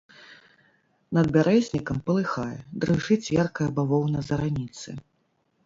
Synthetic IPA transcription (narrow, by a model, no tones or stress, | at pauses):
nɐd̪̚bʲaɾɛzʲnʲikɐmpɐlˠɨxajɛ̰d̪ɾɨʐɨt͡sʲjʲɛrkɐjɐbavɔwnɐzɐɾanʲit̪sɨ̰